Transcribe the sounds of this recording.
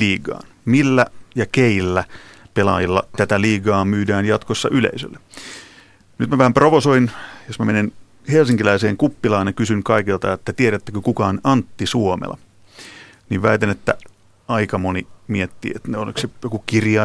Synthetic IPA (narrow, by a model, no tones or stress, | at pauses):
liːɡɑ̰ːn | milːæjɑkeilːæpelɑ̰jilːɑ̰t̪æt̪æliːɡɑːmyːdæːnjɑt̪kosːɑʔylḛisø̰lːe | nyt̪mæʋæhæmproʋosoinjosmæmenen | helsiŋkilæiseːŋkupːilɑːnjɑkysyŋkɑikilt̪ɑet̪ːæt̪ieɾæt̪ːækøkukɑːnɑnt̪ːisuomḛlɑ̰ | niːʋʋæit̪enet̪ːæ | ɑikɑmonimiet̪ːḭːet̪neolḭksejokukirjɑ